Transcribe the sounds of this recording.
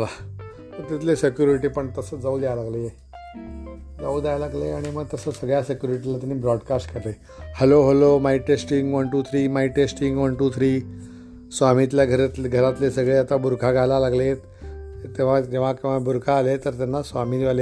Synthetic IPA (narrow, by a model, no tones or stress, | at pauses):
ala | t̪əɾt̪it̪̬lesekjuɾiʈiːpəɳt̪əsəːd͡zauːd̪ajalaɡləje | d͡zauːd̪ajalaɡləeaɽ̃iməɡ̚t̪əsəsəɡɭjasekjuɾiʈilat̪anːibɾɔɖkasʈkəɾle | hɛloɦolomaiʈesʈiŋɡʋənʈuːt̪ʰɾiːmaiʈesʈiŋɡʋənʈuːt̪ʰɾiː | sʋamit̪ljaɡʱəɾat̪ɡʱəɾat̪lesəɡɭeat̪abuɾkʰaɡʱalalaɡlet̪ | t̪eʋ̤ad͡ʑeʋ̤akeʋ̤abuɾkʰaːlet̪əɾt̪janːasʋamiʋale